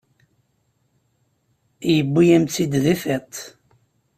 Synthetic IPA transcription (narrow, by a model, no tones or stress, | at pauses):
jəbːijæmt͡sːid̪ðiθæt̪ˤ